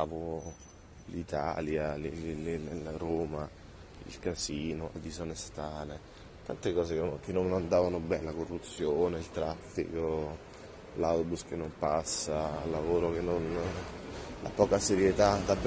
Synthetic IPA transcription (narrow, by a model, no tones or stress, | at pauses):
vo | lit̪a̰ljalillroːma | ḭlkaziːnolad̪izonest̪aːle | t̪ant̪ekɔːzekk̟enːonand̪aːvanobɛnlakorːut̪sːjoːneilt̪ɾafːḭko | lawt̪obusk̟enːompasːaːlːavoːɾok̟enːon | lʔa̰pɔːkaseɾjet̪ad̪ab